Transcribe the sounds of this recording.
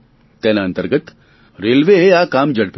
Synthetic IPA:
t̪ɛːnaɐ̃nt̪əɾɡət̪ | ɾeːlʋeɦeaːkaːmd͡ʒɐɽp

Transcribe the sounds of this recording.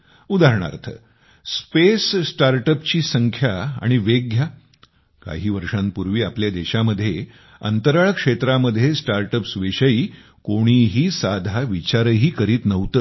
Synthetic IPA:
ud̪aɾɳa̰ɾt̪ʰə̰ | spessʈaɾʈəpt͡ɕiːsəŋkʰjaa̰ɽ̃iʋeɡʱja | ka̰ɦiːʋəɾʂãnpuɾʋiːapljad̪eɕaməd̪ʱːje | ə̰nt̪əɾaɭəkʂet̪ɾaməd̪ʱːjesʈaɾʈəpsʋiɕəiː | koɽ̃iɦiːsad̪ʱaʋit͡ɕaɾəɦiːkəɾiːt̪nəʋt̪ə

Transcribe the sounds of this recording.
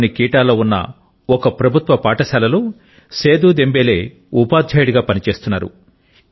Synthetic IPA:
nikiːʈaːlo̞ːunːɐ̰ | ɔkɐpɾɐbʱut̪ʋɐpaːʈɐsaːlɐluː | se̞ːd̪ud̪e̞mbeːle̞ː | upaːd̪ʱd͡ʒɐjɽiɡaːpɐnit͡ʃe̞ːst̪unːaːɾṵ

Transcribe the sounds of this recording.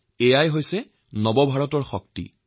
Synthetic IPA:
ejajɦojsɛ | nɔbɔbʱaɹɔtɔɹxɔk̚tḭ

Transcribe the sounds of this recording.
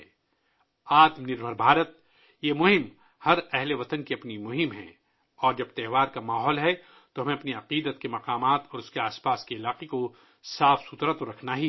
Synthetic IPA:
aːt̪mnɪɾbʱəɾbʱaːɾət̪ | jemʊɦɪm | hɐɾɛɦleʋɐt̪ənkeɐpnimʊɦɪmɦɛ̰̃ | ɔːɾd͡ʒɐb̚t̪ɛːɦʋaːɾkamaːɦɔːlɦɛ | t̪oɦɐmẽɐpniɐqiːd̪ət̪kemɐqaːmaːt̪ɔːɾʊskeaːspaːskeɪlaːqeko | saːfsut̪ɾat̪oɾɐkʰnaɦi

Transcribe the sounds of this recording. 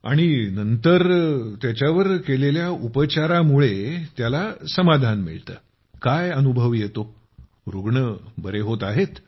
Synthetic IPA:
a̰ɽ̃inənt̪əɾt̪jat͡ɕjaʋəɾkeleljaupət͡ɕaɾamuɭet̪jalasəmad̪ʱanmḭɭt̪ə̰ː | kajənubʱəʋjet̪o | ɾuɡɳəbəɾeɦot̪aɦet̪

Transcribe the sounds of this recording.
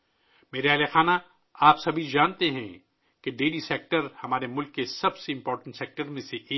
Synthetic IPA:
meːɾeɐlexaːna | aːpsɐbʱid͡ʒaːnt̪eɦɛ̃ | keɖeːliseːk̚ʈəɾhɐmaːɾemʊlkːesɐbseɪ̃mpɔːɾʈə̃ɳʈsɛːk̚ʈəɾmẽseʔː

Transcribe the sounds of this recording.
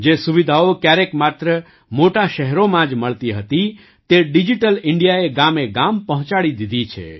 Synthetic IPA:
d͡ʒesuʋid̪ʱaokjaɾekmat̪ɾə | moʈaʃɛɦɾomãd͡ʒməɭt̪iɦət̪i | t̪eɖid͡ʒiʈəlɪɳɖijaeɡameɡampəɦt͡ʃaɭid̪id̪ʱit͡ʃʰḛ

